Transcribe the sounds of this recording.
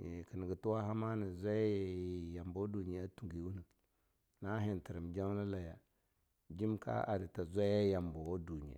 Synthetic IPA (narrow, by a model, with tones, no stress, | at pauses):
ki˨ni˨ɡi˨tu˦wa˦ɦa˦ma˦ni˨zʷa˦jja˨mbo˦du˨ɲi˨˦a˦tu˨ɡi˨˦wu˦nə˨ | na˦ɦi˨nti˨ɾi˨md͡ʒa˦ŋ˦la˦la˨ja˨ | d͡ʒi˦mka̰˦ʔa̰˨di˨ta˨zʷa˦ja˦ja˨mbo˨wo˦du˨ɲḭ˨a̰˨